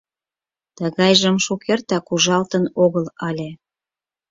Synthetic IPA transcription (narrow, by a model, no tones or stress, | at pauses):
t̪əɣɑjʒə̆mʃukert̪ɑkuʒɑlt̪ənoɣəlɑlʲe